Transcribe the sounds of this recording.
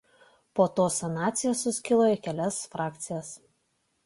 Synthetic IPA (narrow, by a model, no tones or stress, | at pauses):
poːt̪oːsɐnɑːt̪sʲɪjɛsːʊsʲkʲɪlˠoːjɛkʲɛlʲɛsfɾɑːk̚ʲt̪sʲɪjɛs